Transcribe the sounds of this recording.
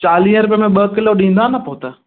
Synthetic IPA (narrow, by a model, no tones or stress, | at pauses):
t͡ɕaːlĩə̃ɾʊp̬jəmẽɓɐkɪloɗĩːn̆d̪ãːnapoːt̪a